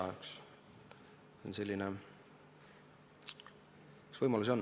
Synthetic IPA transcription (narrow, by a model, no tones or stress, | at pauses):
ɑeks | onse̞lʲːine | kɑsvɤjmɑluso̞nː